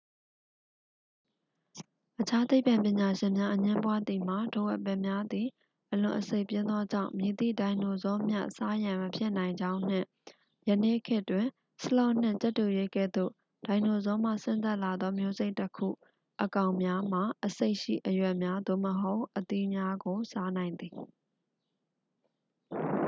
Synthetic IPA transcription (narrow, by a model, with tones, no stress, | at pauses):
ʔət͡ɕʰa˦t̪e˦ɪpã˨mpjɪ̃˨ɲa˨ʃɪ̃˨mja˦ʔəɲɪ̃˦mpwa˦d̪i˨m̥a˨do˨wɛ˦˨ʔpɛ˦˨mja˦d̪i˨ | ʔəlʊ̃˨ʔəse˦ɪʔpjɪ̃˦nd̪ɔ˦d͡ʑã̰˦˨ʊ̃mje˨t̪ḭ˦˨dã˨ɪ̃no˨zɔ˦mja̰˦˨ʔsa˦jã˨məpʰjɪ˦ʔnã˨ɪ̃ɲd͡ʑã˦ʊ̃n̥ɪ̰̃˦˨ | jə˨ne˦˨kʰɪ˦ʔtwɪ̃˨ | səla˦ʊn̥ɪ̰̃˦˨t͡ɕɛ˦tːu˨je˦ɡɛ̰˦˨d̪o̰˦˨ | d̥ã˨ɪ̃no˨zɔ˦m̥a̰˦˨sɪ̃˦nt̪a˦˨ʔla˨d̪ɔ˦mjo˦ze˦ɪtːəkʰṵ˦˨ | ʔəkã˨ʊ̃mja˦m̥a˨ʔəse˦ɪʔʃḭ˦˨ʔəjwɛ˦˨ʔmja˦d̪o̰˦˨məɦo˦ʊʔət̪i˦˨mja˦ɡo˨sa˦nã˨ɪ̃nd̪i˨